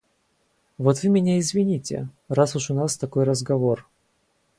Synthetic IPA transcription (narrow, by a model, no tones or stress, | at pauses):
vo̞t̪vɨmʲɪnʲaɪzvʲɪnʲitʲɪ̰ | rasʊʂʊnast̪ɐko̞jrəzɡɐvo̞r